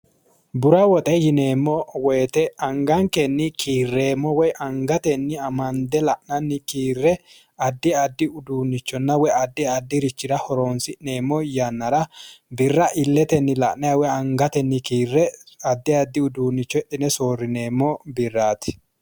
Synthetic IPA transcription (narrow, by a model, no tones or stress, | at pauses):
bʊɾɐwɔt̪ʼɛjɪne̞ːmːɔweːt̪ɛɐŋɡɐŋkɛnːɪkʰiːrːe̞ːmːɔwɔjʔɐŋɡɐt̪ɛnːɪɐmɐnd̪ɛlɐʔnɐnːɪkiːrːɛ | ɐd̪ːɪɐd̪ːɪʊd̪uːnːɪt͡ʃːɔnːɐwɔjɐd̪ːɪɐd̪ːɪɾɪt͡ʃːɪɾɐhɔɾo̞ːnsɪʔne̞ːmːɔjɐnːɐɾɐbɪrːɐʔɪlːɛt̪ɛnːɪlɐʔnɐjɐwɔjɐŋɡɐt̪ɛnːɪkiːrːɛɐd̪ːɪɐd̪ːɪʊd̪uːnːɪt͡ʃːɔɛᶑɪnɛso̞ːrːɪneːmːɔbɪrːaːt̪ɪ̥